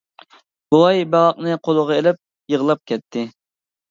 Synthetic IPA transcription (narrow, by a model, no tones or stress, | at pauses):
b̥ulˠɑjbɛʁɑq̚nɨqʰolˠəʁɑelɪp̚ | jəʁlˠɑp̚kʲɛt̪ʰːɪ